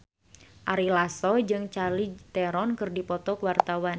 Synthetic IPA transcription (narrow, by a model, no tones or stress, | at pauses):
ʔaɾilasɔd͡ʒɨŋt͡ʃalit̪ɛɾɔnkɨrdipɔt̪ɔkəwart̪awan